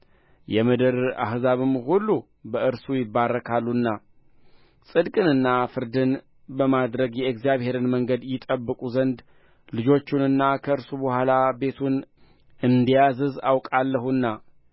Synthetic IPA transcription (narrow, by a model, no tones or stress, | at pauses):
jɛmɨd̪ɨɾa̰ɦzaβɨmːhulːu | bəʔɨɾsujɪbːarːəkʰalːunːa | sʼɨd̪kʼɨnɨnːafɨɾd̪ɨn | bəmad̪ɾəɡjɛekzijaβhe̞ɾɨnməŋɡəd̪jɪt̪ʼəbːɨkʼuzənd̪ | lɨd͡ʒo̞t͡ʃːunɨnːakʰəɨɾsubəhʷalabe̞t̪ʰun | ɨnd̪ijazɨzawkʼalːəɦunːa